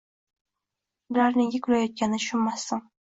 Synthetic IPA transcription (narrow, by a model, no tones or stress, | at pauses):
bɪɾaɾnɪŋjʲɪkʲʰʊlajɒt̪̚kʲanɪʊʃʊnmːasːɪŋ